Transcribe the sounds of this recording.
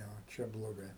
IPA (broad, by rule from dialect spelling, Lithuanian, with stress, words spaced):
tɐɪ ʋoː ˈt͡ʃʲɛ blˠoːˈɡɐɪ